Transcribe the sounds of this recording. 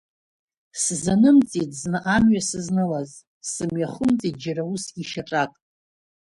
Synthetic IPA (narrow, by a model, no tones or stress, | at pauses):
szanɨmt͡sʼitʼznɨʔamɥasɨznɨlaz | sɨmɥaχʊmt͡sʼit̚d͡ʒaɾausʲiʃaʈ͡ʂʼakʼ